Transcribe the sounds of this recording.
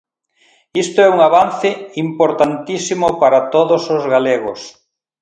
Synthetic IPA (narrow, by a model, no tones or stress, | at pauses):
ist̪oɛuŋaβan̟θɪimpoɾt̪ant̪isimʊpaɾat̪oðosozɣaleɣʊs